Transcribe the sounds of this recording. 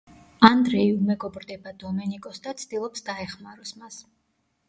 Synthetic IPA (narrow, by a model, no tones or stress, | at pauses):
and̪ɾɛiumɛɡɔbɾd̪ɛbad̪ɔmɛnikʼɔsd̪at̪sʰd̪̥ilˠɔpsd̪aɛχmaɾɔsmas